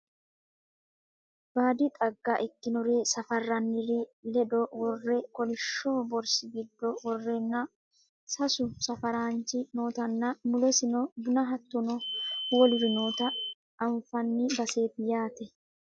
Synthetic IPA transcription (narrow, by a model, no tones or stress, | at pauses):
b̥aːd̪ɪt̪ʼɐɡːɐʔɪkːɪnɔɾeːsɐfɐrːɐnːɪɾɪlɛd̪ɔwɔrːɛkɔlɪʃːoːbɔɾsɪɡɪd̪ːɔwɔrːɛnːɐ | sɐsʊsɐfɐɾaːnt͡ʃɪno̞ːt̪ɐnːɐmʊlɛsɪnɔbʊnɐɦɐt̪ːʊnɔwɔlɪɾɪno̞ːt̪ɐ | ɐɱfɐnːɪbɐse̞ːt̪ɪjaːt̪ɛ